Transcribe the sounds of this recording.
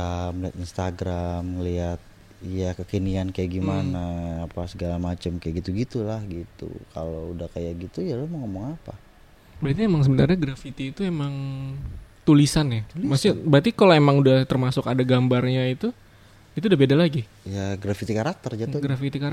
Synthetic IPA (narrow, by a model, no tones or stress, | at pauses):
əmliat̪inst̪aɡɾamliat̪̚ | jakəkəniankajaʔɡimanaːpasəɡalamat͡ʃəmkajaʔɡit̪uɡit̪ulahɡit̪ṵkʰa̰loudahkajaɡit̪ujalahmaŋomɔŋapa | bɾat̪̬iemaŋs̬əbənarɲaɡɾafit̪iːt̪uemaŋ | t̪ulisanjamasibɾat̪ikaloemaŋudaht̪ərmasʊkadaɡambarɲait̪u | it̪udabedalaɡi | jaɡɾafit̪ikaɾak̚t̪ərd͡ʒaɡɾafit̪ikaɾ